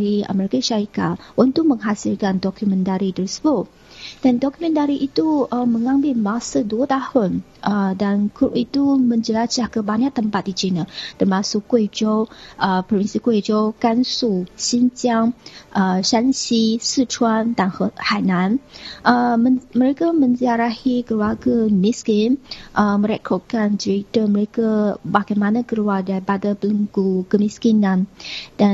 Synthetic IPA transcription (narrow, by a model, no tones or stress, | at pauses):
ɾiə̰məɾekəʃaɾika̰ʔunt̪ʊk̚məŋɦasilkandɔkumə̃nt̪aɾitəɾisə̥bʊʔ | d̥andɔkumə̃nt̪aɾiʔit̪uəmə̃ŋambɪlmãsəduət̪ahʊn | ʔədankɾupit̪umə̃ɲd͡ʒəlat͡ʃahkəbaɲãʔt̪əmpat̪̚dit͡ʃinət̪ərmãsʊkːued͡ʒoʔəpɾɔfinsikued͡ʒowkansusintiaŋʔəʃansisutʰuant̪aŋhhananʔəəməɾekamə̃nziaɾahikəluaɡamiskimʔəmə̃ɾɛkʰɔt̚kand͡ʒəɾit̪əməɾekabaɡajmanãkəluadaɾipadapələŋɡukəmiskinãnd̥a